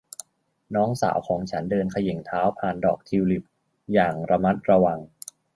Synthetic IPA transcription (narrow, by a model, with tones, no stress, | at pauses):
nɔː˦˥ŋsa̰ː˩˦wkʰɔː˩˦ŋt͡ɕʰa˦˥ndɤː˧nkʰa˧je˨˩˦ŋt̪ʰaː˦˥wpʰaː˨˩ndɔ̰ː˨˩k̚t̪ʰi˧wli˨˩p̚ | jaː˨˩ŋɾa˧ma˦˥t̪̚ɾa˧wa˧ŋ